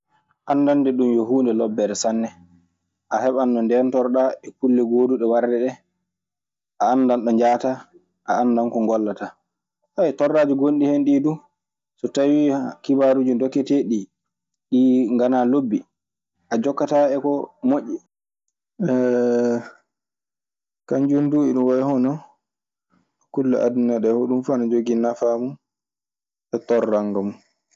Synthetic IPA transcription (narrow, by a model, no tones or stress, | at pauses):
ʔanːdandɛɗumjoɦuːndɛlɔbːɛɾɛsanːɛ | ʔahɛɓanɗɔndɛntɔɾɗaɛkulːɛɡoːduɗɛwaɾdɛɗɛ | ʔaːnːdanɗɔɲd͡ʒaːta | ʔaandankɔŋɡɔlːata | ajtɔrːaːd͡ʒuɡonɗihenɗiːdu | sɔtawikibaɾud͡ʒundɔkːɛteɗi | ɗiŋɡanalobːi | ʔad͡ʒɔkːataɛkɔmoʔːi | ɛ | kaɲd͡ʒunduiɗumwaɛhɔnɔ | kulːa̰ʔadunaɗɛhoɗumfanad͡ʒoɡinafamun | ɓɛtɔrːaŋɡɔm